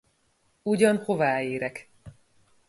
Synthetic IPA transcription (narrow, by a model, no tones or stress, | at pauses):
uɟɒnho̞vaːeːɾɛk